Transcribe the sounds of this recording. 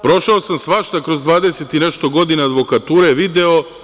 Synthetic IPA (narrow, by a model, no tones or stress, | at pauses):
pɾo̞ʃaosamsʋaʃt̪akɾo̞zd̪ʋaːd̪e̞se̞t̪ineʃt̪o̞ɡo̞d̪inaːd̪ʋo̞kat̪uːɾeʋid̪eo